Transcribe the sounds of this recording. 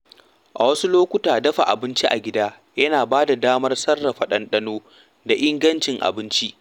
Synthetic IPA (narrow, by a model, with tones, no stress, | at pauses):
ʔa̰˨wɐ˦su˦loː˦kʷʊ˦taː˨dɐ˦ɸa˨ʔa̰˨bɪ˦nt͡ʃi˦ʔa̰˨ɡʲɪ˦daː˦ | jɐ˦naː˨baː˦da˨daː˦mɐ˦rsɐ˦rːɐ˨ɸɐ˨ɗɐ˦nɗɐ˦noː˦ | da˨ʔɪ˦ŋɡɐ˦nt͡ʃɪ˨ŋʔa̰˨bɪ˦nt͡ʃi˦ʔ